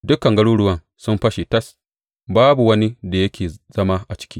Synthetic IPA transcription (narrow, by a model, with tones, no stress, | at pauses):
dʊ˦kɐ˨ŋɡɐ˦ɽuː˦ɽʊ˦wɐ˦n | sʊ˦mɸɐ˦ʃi˨tɐ˦s | baː˦bu˨wɐ˦ni˦da˨jɐ˦kʲʰeː˨z̥ɐ˦ma˦ʔa˨t͡ʃɪ̥˦kʲiː˦